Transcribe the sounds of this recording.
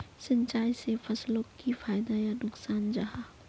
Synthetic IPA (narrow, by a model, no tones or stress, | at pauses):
sɐ̃nt͡ʃaːjsefɐslõkifaːɪd̪ajanʊksaːnd͡ʒaɦaː